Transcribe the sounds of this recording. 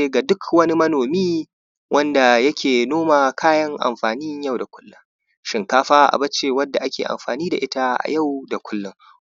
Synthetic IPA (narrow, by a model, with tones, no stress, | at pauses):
e˦ɡa˨dʊ˦kwɐ˦ni˦mɐ˦noː˨miː˦ | wʔɐ˦nda˨jɐ˦kʲeː˨noː˦maː˨kʰaː˦jɐ˦ŋʔa̰˨mɸaː˨niː˦ɲ˦jɐ˦˨wda˨kʷʊ̥˦lːʊ˦ŋ | ʃɪ˨ŋkaː˦ɸaː˦ʔa̰˨bɐ˦t͡ʃːe˨wɐ˦dːa˨ʔa˦kʲḛː˨ʔa̰˨mɸaː˨niː˦da̰˨ʔɪ˦ta˦ʔa̰˨ja˦˨wda˨kʷʊ˦lːʊ˦ŋ